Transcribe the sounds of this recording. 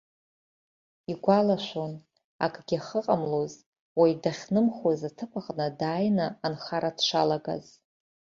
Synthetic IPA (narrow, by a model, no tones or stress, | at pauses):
iɡʷalaʃʷon | a̰kʼɡʲaχəqʼamloz | wajdaχʲnɨmχazatʰɨpʰaχʼnɨdaːjnaːnχaɾadʃʷa̰laɡa̰z